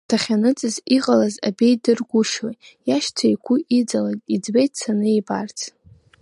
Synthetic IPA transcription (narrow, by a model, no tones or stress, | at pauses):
tʰaχʲanɨt͡sʼɨziqʼalaza̰bejdɨrɡʷʊʃojjaʃtʰajkʷʰʊʔid͡zaladid͡zbejt̚ʰsʰanɨebart͡sʰʼ